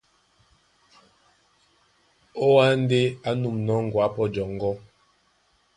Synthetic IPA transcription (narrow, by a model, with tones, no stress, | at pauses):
o˦wa˦n˦de˦a˦nu˨mnɔ˦ŋ̩˨ɡwa˨˦pɔ˦d͡ʒɔ˨ŋ˦ɡɔ˦